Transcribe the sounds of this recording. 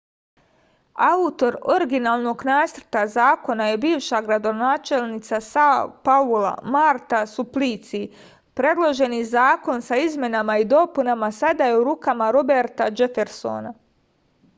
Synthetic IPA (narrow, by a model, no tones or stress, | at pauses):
aut̪o̞ɾo̞ɾiɡinaːlˠno̞ɡnaːsrt̪azaːko̞naje̞biːʋʃaɡɾad̪o̞naːt͡ʃe̞lnit̪sasapaula̰maɾt̪asupliːt̪si | pɾe̞d̪lˠo̞ʒe̞nizaːko̞nsaizmʲje̞namaid̪o̞punamasad̪aje̞uɾuːkamaɾobe̞ɾt̪ad͡ʒefeɾso̞̰na